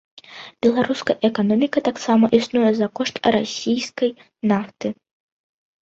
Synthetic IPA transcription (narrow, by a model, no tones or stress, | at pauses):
b̥ʲɛlˠaɾuskɐʔɛkanɔmʲikɐt̪aksamɐʔisnujɛzɐkɔʂt̪ɾasʲijskɐj | naft̪ɨ